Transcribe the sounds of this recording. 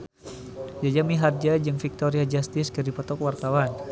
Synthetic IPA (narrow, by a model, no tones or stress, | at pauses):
d͡ʒad͡ʒamiɦard͡ʒad͡ʒɨŋfik̚t̪oɾiad͡ʒast̪ɪskədipɔt̪ɔkwart̪awan